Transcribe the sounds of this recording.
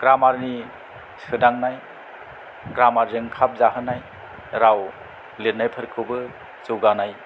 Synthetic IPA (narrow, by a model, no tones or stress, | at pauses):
ɡ̥ɾamaɾni | sɯdaŋnaj | ɡɾamaɾzɯŋkʰap̚zaɦɯnaj | ɾaw | letnajpʰɯɾkʰɯbɯ | zuɡanaj